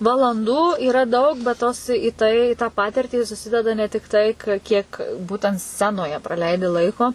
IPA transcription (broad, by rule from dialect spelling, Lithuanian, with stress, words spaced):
ʋɐlˠɐnˈduː iːˈrɐ ˈdɐʊk bʲɛt ˈtoːs iː ˈtɐɪ ɪ tɑː ˈpɑːtʲɪrʲtʲiː sʊˈsʲɪdʲɛdɐ nʲɛ tʲɪkˈtɐɪ kɐ kʲiɛk ˈbuːtʲɛnt ˈsʲt͡sʲæːnoːjɛ prɐˈlʲɛɪdʲɪ ˈlˠɐɪkoː